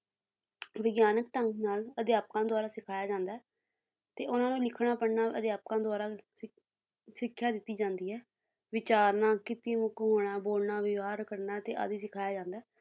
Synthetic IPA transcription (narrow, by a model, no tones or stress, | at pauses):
ʋɪɡjaːnək̚ʈəŋknaːləd̪jaːp̚kãːd̪ʊaːɾaːsɪkʰaːjaːd͡ʒãːnd̪aːɛː | t̪eːʔʊnãːnũːlɪkʰːɽ̃aːpəɽnaːəd̪jaːp̚kãːd̪ʊaːɾaː | sɪkʰːjaːd̪ɪt̪ːiːd͡ʒãːnd̪iːɦɛː | ʋɪt͡ʃaːɾnãːkɪt̪iːmʊkɦoːɽ̃ãːboːlnaːʋɪʋaːɾkəɾnaːt̪eːʔa̰d̪iːsɪkʰaːjaːd͡ʒãːnd̪aː